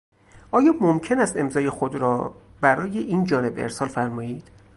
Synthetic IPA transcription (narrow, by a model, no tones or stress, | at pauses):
ʔɒːjɒːmomcʰe̞næst̪e̞mzɒːje̞xod̪ɾɒː | bæɾɒːjeʔiːnd͡ʒɒːne̞bḛɾsɒːlfæɾmɒːiːd̪̥